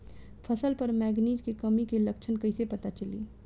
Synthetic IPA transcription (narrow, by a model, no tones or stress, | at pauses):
fʰɐsəlpɐɾmɛːɡniːd͡ʒkekɐmikelɐkt͡ʃʰənkɐɪsepɐt̪at͡ʃɐlḭː